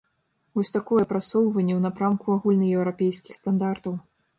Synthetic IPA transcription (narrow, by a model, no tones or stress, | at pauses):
vɔsʲt̪akɔjɛpɾat̪sɔwvɐnʲːɛwnapɾamkuaɣulʲnɨjɛwɾapʲejskʲixst̪and̪art̪ɐw